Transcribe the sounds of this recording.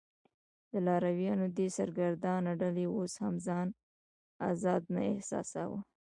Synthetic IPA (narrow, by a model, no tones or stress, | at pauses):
d̪əlɑɾawjɑnod̪esaɾɡaɾd̪ɑnaɖaleoshamzɑn | a̰zɑd̪na̰ɪhsɑ̰sa̰wə̰